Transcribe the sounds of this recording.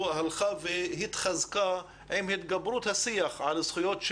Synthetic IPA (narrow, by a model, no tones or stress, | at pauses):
halxaveɦit̪χazka | ʕimhɪt̪ɡabɾut̪hasijaxʕalasχujot̪ʃ